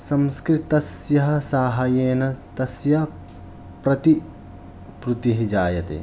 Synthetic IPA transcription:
sɐmskɾit̪ɐsjɐɦɐ̆saːɦɐjeːnɐt̪ɐsjɐ | pɾɐt̪i | pɾut̪iɦid͡ʒaːjɐt̪ḛː

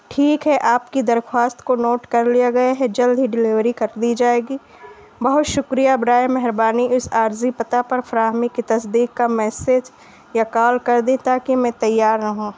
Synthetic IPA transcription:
ʈʰiːkɦɛʔaːpkid̪ɐɾxwaːst̪konoːʈkɐɾlijaɡɐjaɦɛd͡ʒɐld̪ʱɦiɖɪlɪʋɾikɐɾd̪id͡ʒaːeːɡiː | bɐɦʊt̪ʃʊkɾijabɾaːjmɛɦɛɾbaːniʔʊsaːɾzipɐt̪apɐɾfɾaːɦmikit̪ɐsd̪iːkːamɛːsed͡ʒ | jakaːlkɐɾd̪ẽt̪aːkimɛ̃t̪ɐjːaːɾnɐɦũː

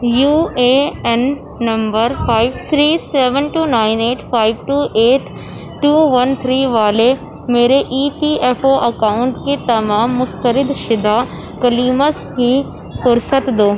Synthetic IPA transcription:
juːeːɛnː | ɐmbəɾfaːɪʋt̪ʰɾiːseːʋənʈuːnaːɪneːʈʰfaːɪʋʈuːʔeːʈʰ | ʈːuːʋɐnt̪ʰɾiːʋaːle | meːɾeʔiːpiːɛfoʔɐkaːʊ̃ɳʈket̪ɐmaːmːʊst̪əɾɪd̪ʃɪd̪a | kɐliːməskʰĩː | fʊɾsət̪d̪oː

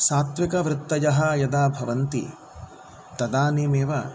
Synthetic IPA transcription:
saːt̪ʋikɐʋɾɪt̪ːɐjɐɦɐjɐd̪aːbʱɐʋɐnt̪ḭ | t̪ɐd̪aːneːmeːʋɐ

